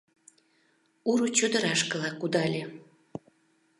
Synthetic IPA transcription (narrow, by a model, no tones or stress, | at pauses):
uɾut͡ɕød̪ə̆ɾɑʃkəlɑkud̪ɑlʲe